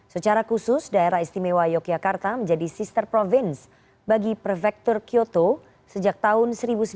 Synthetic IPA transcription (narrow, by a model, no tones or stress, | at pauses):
sət͡ʃaɾakusʊsdaeɾaɦist̪imewajɔk̚d͡ʒakart̪aməɲd͡ʒadisist̪ərpɾɔfɪns | baɡipɾɔfɛk̚t̪ɔrkiot̪o | səd͡ʒak̚t̪aɦʊnsəɾibusə